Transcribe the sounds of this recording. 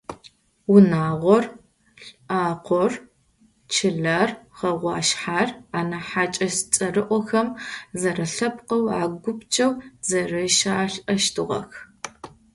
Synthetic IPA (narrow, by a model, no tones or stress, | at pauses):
wʊnaːʁʷɔr | ɬaːqʷɔr | t͡ʃʰɪɮarʁɐʁʷɑːʃħaːraːnɐħaːt͡ʃʼɐst͡sʼɐrɨʔʷɔxɐmzɐrɐɬɐpqɐwa̰ːɡʷʊpt͡ʃʼɐwzɐrɨʃaːɬɐʃtʰɨʁɐ̰x